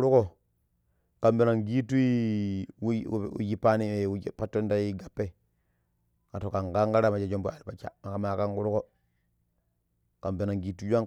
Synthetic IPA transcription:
ɾu˦ko˦ | ka˨mbe˨na˨ŋɡi˦tu˦i˦˨ | ṵ˨ji˦pa˦ni˦e˨˦pa˦tːo˦n˦da˦ji˦ɡa˨pːe˦˨ | ka˨to˨ka˨ŋɡa˦ŋɡa˦ɾa˦˨ma˨t͡ʃa˨d͡ʒo˦mbu˦a˨ɾi˨pa˨t͡ʃa̰˨ma˨ka˨ma˨ka˦ŋɡu˦ɾu˦ko˦ | ka˨mbe˨na˨ŋɡi˨tu˦d͡ʒa˦ŋ

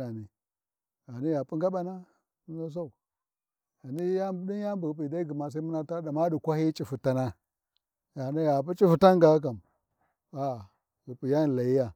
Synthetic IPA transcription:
a˨ni˨ | ɣa˨ni˦ja˨pu˦ŋɡa˦ɓa˦na˦ | no˦s̬a˦u˨ | a˨ni˦ja˦bdi˦nja˦mbu˨ɣp̬i˨da˦i˦ɡi˨ma˨s̬a˦i˦mu˦na˦ta˦da˨ma˦du˨kʷa˦hi˦t͡ʃʼi˨fu˨ta˦na˦ | ja˨ni˦ja˨p̬u˦t͡ʃi˦fu˨ta˦ŋɡa˨˦k̬a˨m | a˨ | ɣu˨pi˨ja˦˨la˨ji˦ja˦

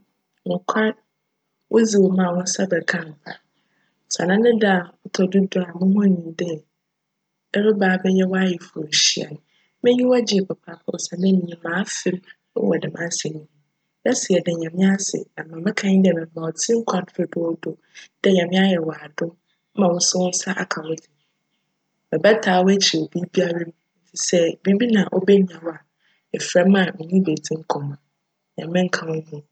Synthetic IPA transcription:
nʊ̃˨kʷʰa˦n | wʔo˦d͡zi˨wo˨mã˨wʊ̃˦sɛ˦bɛ˨kʰã˦m˨pʰa˨ | sa̰˨nã˦nɪ̃˦da˦˨ʊ˦tʰɔ˨du˦dʊ˨a˨mɪ̃˦hʊ̃˦nĩ˨dɛ˦ | ɛ˦ɾɪ˦baː˨˦bɛ˦jɛ˦wa˦jɪ˨fʊ˨ɕi˨a̰˨nʊ̃˨ | mɪ̃˦ɲĩ˦wa˦d͡ʑɪ˨ɛ˨pɛ˨pʰa˨pʰɔ˦˨sɛ˨mɛ̃˦nĩ˨mãː˨˦fɪ˦m | ʊ̰˦wɔ̰˨dɪ˨mã˦sɪ˨nĩ˨ | jɛ˦si˨ɛ˨dɛ˨ɲã˨mɪ̃˦a˦sɪ̰˨a˨mã˨mɪ̃˦kʰã˦ɲ˦dɛ˨mɪ̃˨m˨mã˨ɔ˨tʰĩ˦ŋ̩˦kʰã˨n˦fɪ˦dʊ˦ɔ˦do˨ | d̥ɛ˦ɲã˨mɪ̃˦a˦jɛ˨wa˨dʊ˦ | mã˨wʊ̃˦sʊ˦wʊ˦sa˦ʔa˨kʰã˨wʊ˦di˨ | bɛ˨bɛ˦tʰaː˨˦wɔ˦æ˦t͡ɕʰi˨o˨bi˦bi˦a˦ɾɛ˦m˦fi˨sɛ˦˨bi˦bi˦nã˨ʔɔ˦bɛ˦nĩ˨ã˨wɔ˦a˨ | ɛ˨fɾa˦m˦ã˨mɪ̃˨ɲĩ˦be˨d͡zĩ˦ŋ̩˦kʰɔ̃˨mã˨ | ɲã̰˨mɪ̃˦ŋ̩˦kʰã˨wʊ̃˦nũ˦˨

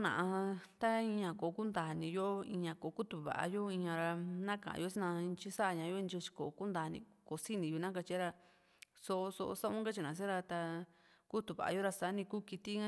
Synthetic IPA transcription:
nã̰˧˨ʔã˧t̪a˦ĩ˧ɲã˧ko˨˦ku˦nd̪aː˨nĩ˧jo˦ĩ˧ɲã˧ko˨˦ku˦t̪u˧βa̰˨ʔa̰˧jo˦ĩ˧ɲã˧ɾa˧nã˦kã̰˨ã̰˧jo˦si˦nã˧t͡ʃi˦sa˦˧ɲã˧˦jo˦˧nd͡ʒo˧t͡ʃi̥˧ko˨˧ku˦nd̪aː˨˧nḭ̃˧ | ko˨˧si˦nĩ˧ju˧nã˦ka˧t͡ʃi˧˦ɾa˧ | so˧ʔo˧so˧o̰˧sa˦ʔũ˦ka˦t͡ʃi˧nã˨˧s̬ĩ˦ɾa˧t̪a˧ | ku˦t̪u˨βa̰˨ʔa̰˧jo˦ɾa˧sa˨˦nĩ˧ku˦ki˧t̪i˦ɲã˦

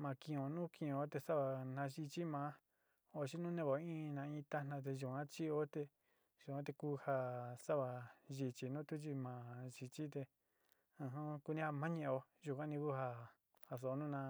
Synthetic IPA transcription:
mã˧˨kĩ˧˨õ˨nũ˦kĩ˧˨õ˨˦t̪e˧sa˦βa˧nã˧ʒi˧t͡ʃi˦mã˧˦ | o˧t͡ʃi˦nũ˦nẽ˧βo˨˦ĩ˦nã˧ĩ˧˦t̪a˦nã˧t̪̬e˧ʒu˨kã˦t͡ʃi˦o˦t̪e˧ | ʒu˨kʷã˦t̪e˧ku˦ha˧sa˦βa˨ʒi˧t͡ʃi˨nũ˦t̪u˦t͡ʃ̬i˧mã˨ʒi˧t͡ʃi˦t̪̬e˧ | ɨ̃˧ɦũ˦ku˧nĩ˦ha˧mã˦ɲẽ˧o˧ | ʒu˧kʷã˦nĩ˧ku˦ha˧ | ha˧˨s̬o˨˧nũ˦nã˧

